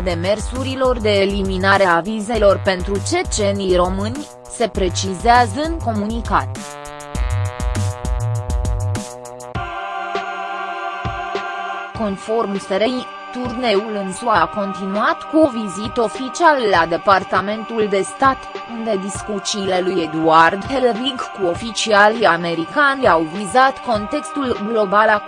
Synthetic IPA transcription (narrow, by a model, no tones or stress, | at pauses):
d̪e̞me̞rsuɾilo̞rd̪e̞ːliminaɾeavize̞lo̞rpe̞nt̪ɾut͡ʃe̞t͡ʃe̞nijro̞mɨnʲ | se̞pɾe̞t͡ʃizeazəɨŋko̞munikat̪ | ko̞nfo̞rmseɾej | t̪urne̞ulɨnsuako̞nt̪inuat̪kuovizit̪o̞fit͡ʃialːad̪e̞part̪ame̞nt̪uld̪e̞st̪at̪und̪e̞d̪iskut͡ʃiːle̞lujed̪uard̪helriɡkuo̞fit͡ʃialiame̞ɾikanʲawvizat̪ko̞nt̪e̞kst̪ulɡlo̞bala